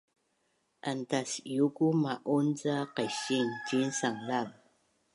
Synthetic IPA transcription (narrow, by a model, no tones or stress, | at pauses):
ʔantasjuɡumaʔunt͡saqajɕiŋtinsaŋlav